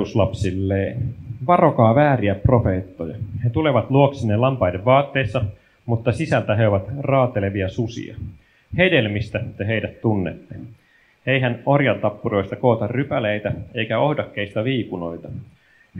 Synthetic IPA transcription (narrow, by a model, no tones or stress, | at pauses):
uslɑpsilːeːʋɑro̞kɑːʋæːɾiæpro̞fe̞ːt̪ːojɑ̰het̪ule̞ʋɑt̪luoksinːelɑmpɑjdeʋːɑːt̪ːe̞ːsːɑ | mut̪ːɑsisælt̪æɦe̞oʋɑt̪rɑːt̪e̞le̞ʋiɑsusḭɑ̰ | he̞de̞lmist̪æt̪eɦe̞jdæt̪ːunːḛt̪ːe | ejɦæno̞rjɑnt̪ɑpːuɾo̞jst̪ɑko̞ːt̪ɑrrypælejt̪æe̞jkæo̞hdɑkːeist̪ɑʋiːkuno̞̰jt̪ɑ